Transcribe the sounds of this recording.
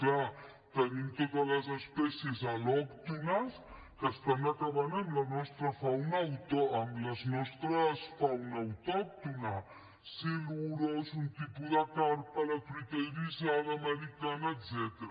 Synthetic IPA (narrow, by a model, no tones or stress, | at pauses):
kla | t̪ənimt̪ot̪ələzəspɛsiezalɔkt̪unəs | kəst̪anəkaβanəmlɐnɔst̪ɾəfawnawt̪ɔəmləznɔst̪ɾəsfawnaːwt̪ɔk̚t̪una | siluɾozunt̪ipuðəkaɾpələkɾit̪ɛɾizalɐməɾikanaːd̪zɛt̪əɾ